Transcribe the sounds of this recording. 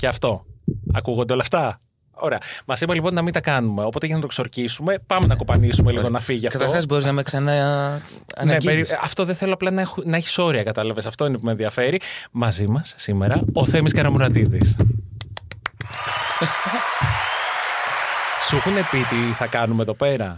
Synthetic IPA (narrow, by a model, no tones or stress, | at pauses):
ceɐft̪o̞ɐkuɣond̪eo̞lɐft̪ɐ | o̰ɾeɐmɐzimɐlipo̞nːɐmint̪ɐkɐnume̞o̞po̞t̪eʝɐnɐt̪o̞kso̞ɾcisume̞pɐmenɐko̞pɐnisumeliɣonɐfiʝiɐfkɐt̪ɐɾoxɐzbo̞ɾiznɐmeksɐnɐ | ɐ̰neeɾiɐft̪o̞ðeθe̞loɐplɐnɐnɐeçi̥so̞ɾiɐkɐt̪ɐlɐve̞sɐft̪o̞ine̞pumenðiɐfe̞ɾimɐzimɐsːime̞ɾɐo̞θemiskɐɾɐmuɾɐt̪iðis | suxune̞pit̪iθɐkɐnumeðo̞pe̞ɾɐ